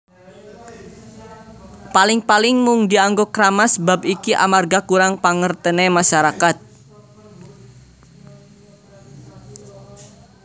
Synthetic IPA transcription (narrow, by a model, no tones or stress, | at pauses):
palɪŋpalɪŋmʊŋd̪iaŋɡokɾamasəbapikiʔa̰marɡakuɾaŋpaŋərt̪ənemaʃaɾakat̪̚